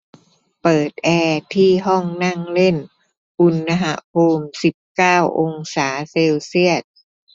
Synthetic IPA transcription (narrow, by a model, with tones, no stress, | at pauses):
pɤː˨˩t̪̚ʔɛː˧t̪ʰiː˥˩ɦɔ˥˩ŋna˥˩ŋle˥˩n | ʔu˧nːa˧ɦa˧˦hoː˧msi˨˩p̚kaː˥˩wʔo˧ŋsaː˩˦seː˧wsi˥˩ət̪̚